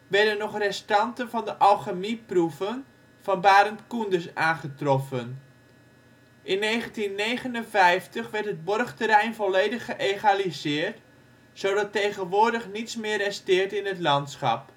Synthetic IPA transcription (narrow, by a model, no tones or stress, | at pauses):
ʋɛɹdənːɔχrɛstɑntənvɑndəʔɑlˠχəmipruvən | vɑnbaːɾəntkundəsaːnχətrɔfən | ʔɪnːejχəntinːejχənənvɛjftəχʋɛɹtɦəd̚bɔrχtəɾɛjnvɔlejdəχəʔeχalizɪːrt | sowdɑtejɣənʋʊːɹdəχnitsmɪːrɛstɪːɹtɪnətlɑntsχɑ̰p̚